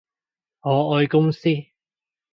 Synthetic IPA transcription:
ŋɔː˨˧ɔː˧jkʊ˥ŋsiː˥

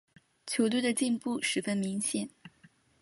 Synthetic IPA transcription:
t͡ɕʰjo˧˥ʊt̪wu˥˩d̪ə˨t͡ɕi˥˧npu˥˩ʂɻ̩˧˥fə˥nmi˧˥ŋɕjɛ˨˩˦n

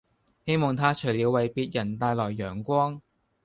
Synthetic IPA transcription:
he˥jmɔː˨˩ŋt̪ʰaː˥t͡ʃʰɵ˨˩liː˨˧wɐ˨jpiː˧t̚jɐ˨˩nt̪aː˧jlɔː˨˩jːœː˨˩ŋkʷɔː˥ŋ

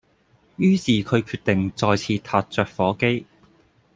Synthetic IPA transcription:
jyː˥siː˨˩kʰɵ˨˧ɥkʰyː˧t̚t̪ɪ˨ŋt͡sɔː˨˩jt͡sʰiː˧t̪ʰaː˧t̚t͡sœː˨k̚fɔː˨˥ke˥j

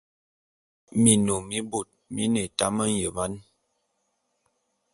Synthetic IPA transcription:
mi˨no˨mi˦bo˨t̚mḭ˦ne˨ta˦mə˦n˦jə˨va˦n

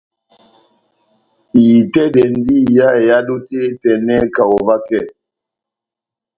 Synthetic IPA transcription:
i˨tɛ˦dɛ˨n˦di˦˨ja˦ɛ˨ja˦du˦te˦tɛ˨nɛ˦ka˨ɔ˨va˦kɛ˦˨

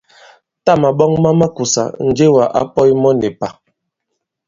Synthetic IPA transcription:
ta˦˨ma˨ɓɔ˦ŋma˦ma˦ku˨sa̰˨n̩˨d͡ʒe˦wa˨ʔa̰˦pɔ˦jmɔ˦nɛ˨pa˨

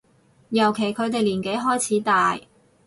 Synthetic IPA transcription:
jɐ˨˩wkʰe˨˩jkʰɵ˨˧ɥt̪e˨jliː˨˩nke˨˥jɦɔː˥jt͡sʰiː˨˥t̪aː˨j

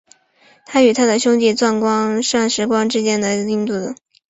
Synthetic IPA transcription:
t̪ʰa˥y˨˩t̪ʰa˥d̪ə˨ɕjʊ˥ŋt͡ɕi˥˧t͡swa˥˩nkwɑ˥ŋʂɑ˥˩ŋʂɻ̩˧˥kwɑ˥ŋʈ͡ʂɻ̩˥t͡ɕjɛ˥nd̪ə˨˩i˥˧ŋt̪u˥˩d̪ə˩

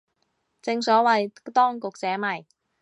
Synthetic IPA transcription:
t͡sɪ˧ŋsɔː˨˥wɐ˨jt̪ɔː˥ŋkʊ˨k̚t͡sɛː˨˥mɐ˨˩j

